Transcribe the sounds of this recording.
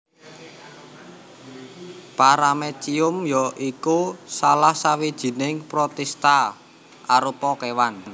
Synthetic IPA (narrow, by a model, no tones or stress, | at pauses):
paɾamet͡ʃiʊmjɔʔikusalahsawid̥ʒ̥i̤nɪŋpɾɔt̪ɛst̪a | ʔaɾupɔkewan